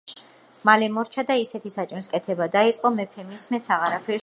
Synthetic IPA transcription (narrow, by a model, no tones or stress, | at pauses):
malɛmɔɾt͡ʃʰad̪aisɛt̪ʰisat͡ʃʼniskʼɛt̪ʰɛbad̪ait̪sʼqʼɔmɛpʰɛmismɛt̪sʰaʁaɾapʰɛɾ